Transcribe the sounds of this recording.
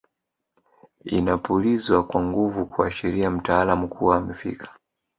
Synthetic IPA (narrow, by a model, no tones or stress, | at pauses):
ḭnapulizwakwaŋɡuvukuaʃɛɾiam̩taalamukʰuwam̩fḭkʰḁ